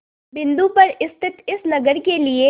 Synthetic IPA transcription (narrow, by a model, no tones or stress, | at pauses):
bɪ̃nd̪upɐɾɪst̪ʰɪt̪ɪsnɐɡəɾkelie